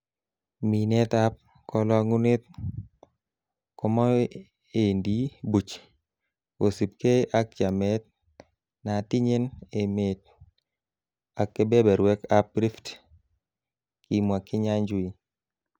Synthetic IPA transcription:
mi˨nɛ˦t̪a˦p̚ | kɔ˨lɔ˦ŋu˦ne˦t̪̚ | kɔ˨mɔ˦ | e˨ndi˨bu˨t͡ʃ | o˨si˨p̚ke˦ʔa˦k̚d͡ʒa˨mɛ˦t̪̚ | na˨ti˦ɲe˦ne˨me˨t̚ | a˨kːe˦bɛ˦bɛ˨ɾwɛ˦ka˦p̚ɾi˦ft | ki˨mwa˨kɪ˦ɲa˦ɲd͡ʒwi˦

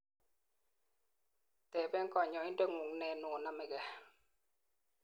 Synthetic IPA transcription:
tɛ˨bɛ˦ŋ̩˦kɔ˨ɲɔ˨i˦n˦dɛ˦ŋu˨ŋnɛ˨nɔ˨na˦˨mɛ˨ɡɛ˨

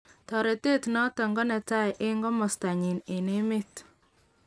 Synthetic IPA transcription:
tɔ˨ɾe˨te˦tnɔ˦tɛ˨ŋɡɔ˦nɛ˨ta˦jʔɪ˦ŋɡɔ˦mɔ˨sta˨ɲɪ˨nɪ˨ne˦mɪ˦t

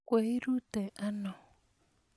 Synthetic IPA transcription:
kʷe˨i˦ɾu˦te˨ʔa˦nɔ˨

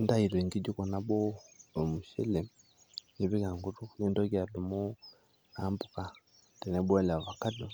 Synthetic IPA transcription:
nda˦i˨ɾwe˨ŋɡi˦ɟu˦ko˨na˦bo˦o˨mu˨ʃḭ˦le˨ | ji˨βi˦ka˨ŋɡu˦tu˦ji˦ndo˦ɡa˨du˨mu˦ | ambu˨ka˨ | te˨ne˦bo˦la˨βa˨ka˦do˨

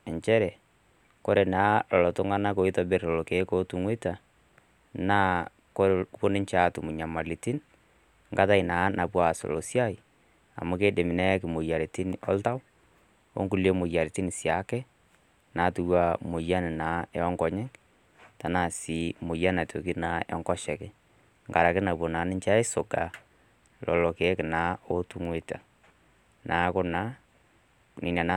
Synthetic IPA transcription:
ɛ˨ɲt͡ʃɛ˦ɾɛ˨ | ko˦ɾɛ˨naː˨˦lɔ˨lɔ˨tʊ˦ŋa˦na˦ko˨i˦tɔ˨bɪ˦ɾlɔ˨lɔ˨ke˨˦ko˦tu˨ŋwe˦ta˨ | naː˦ | ko˦po˦nɪ˦ɲt͡ʃa˨˦˨tʊ˨mʊ˨ɲa˨ma˨lɪ˨ti˦n | ŋɡa˦ta˦ɪ˨naː˨˦na˨pwa˨so̰˨lo˨sja˦j | a̰˨mʊ˦ke˦de˨mɪ˨nɛ˦kɪ˨mo˨ja˨ɾɪ˨tɪ˦n˨ɔ̰˦lta˦w | o̰˦ŋɡu˨le˦mʊ˨ja˨ɾɪ˨ti˦nɪ˨sja˨˦kɛ˦ | na˨˦tu˨wa˦˨mo˨ja˦nɪ˨naː˨˦ɛ˦ɔ˦ŋɡɔ˨ɲɛ˦ŋ | ta˨na˨si˨˦mo˨ja˦na˨to̰˨ki˦na˨˦ɔ̰˨˦ŋkɔ˦ʃɛ˨kɪ˦ | ŋɡa˨ɾa˨kɪ˦na˨po˨na˨˦nɪ˦ɲt͡ʃa˦ɪ˦so˨ɡa˨ | lɔ̰˨lɔ˨ke˨˦kɪ˨na˨˦o˦tu˦ŋwe˦ta̰˨ | na˨˦kʊ˦na˦ | ni˨na˨na˦

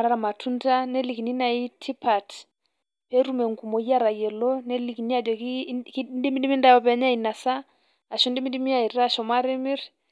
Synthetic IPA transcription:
aɾa˦ɾa˨ma˨tʰu˦nda˦nɛ˦li˨ki˨ni˦na˨i˦tʰi˦pa˨t | pɛ˦ɾu˦mɛ˨ŋku˨mɔ˨i˦a˦ɾa˨jɛ˨lɔ˦nɛ˦li˨ki˨ni˦a˦˨dɔ˨kkndi˦mi˦ndi˦mi˦nda˦ɔ˦pɛ˦ɲa˦i˨na˨sa˦ | a˨ʃɔ˦ndi˦mi˦ndi˦mi˦a˦˨i˨ɾa˦˨ʃɔ˨ma˦ɾi˦mi˦ɾ

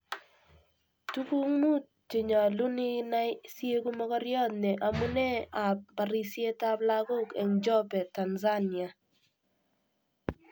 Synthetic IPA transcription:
tu˦ku˦ŋmu˦ | t͡ʃe˨ɲa˨lu˦nɪ˦na˦ɪ˦sje˦ɡu˦mɔ˦ɡɔ˦ɾjɔ˦t̪̚nɛ˨ʔa˨mu˦nɛ˦a˨p̚ba˨ɾi˨sje˦ta˦bla˦ɡo˦kɛ̰˨ŋd͡ʒɔ˦pɛ˨ta˨nza˦nia˨

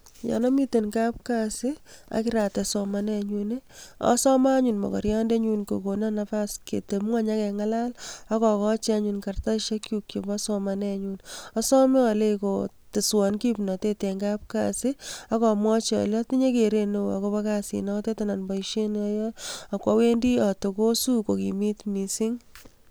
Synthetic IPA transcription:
ja̰˨nɔ˦mi˦tenkap̚kasia̰˨kɪɾa˨tɛsɔmanɛɲune˦ɔ̰sɔ˦maɲunmɔ̰˨kɔ̰ɾja˦nde˦ɲunko̰˨konanapaskḛ˨te˨mŋa˦ɲa˦kɛŋala˦la˦kɔ˨kɔ˦t͡ʃi˦a˦ɲunka˨rta˦ʃa˦kjukje˨bɔsɔmanɛɲunɔ˦sɔ˦me˦ɔle˦ko | tɪ˨swɔ˨nki˦pnɔ˨te˦te˨ŋɡap̚ka̰sɪa˦kɔ˨mwɔ˦t͡ʃiɔ̰˨lɔ˦ti˦ɲe˦keɾe˦no˦wa̰˨ko˧pa˦kasḭ˨nɔ˦kte˦tana˨nbɔ˨iʃe˦nɔjɔa˨kwa˦we˦ndi˦a˨to˨ko˦su˦ko˨kḭmitmisɪ˦ŋ

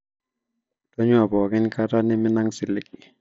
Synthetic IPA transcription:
tɔ˦ɲwa˨bɔ˨kɪ˦nkʰa˦ta˦nɪ˦mɪ˦na˦ŋsɪ˨lɪ˦k̚ɪ˨

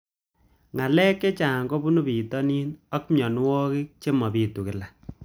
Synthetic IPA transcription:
ŋa˨lɛ˦kːe˦t͡ʃaː˨ŋɡo˦bu˦nu˦pi˨tɔ˦ni˦nɔ˦kmjɔ˨n˦wɔ˦ki˦k̚t͡ʃe˦mɔ˨pi˨tu˨kɪ˨la˨

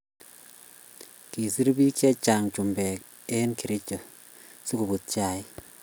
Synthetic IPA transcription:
ki˨si˦ɾbi˦ki˦ɛ˦t͡ʃa˨ŋt͡ʃu˨mbɛ˨k | e˦nki˨ɾɪ˦t͡ʃɔ˨ | si˦ku˨bu˨t̪̚t͡ʃa˨j

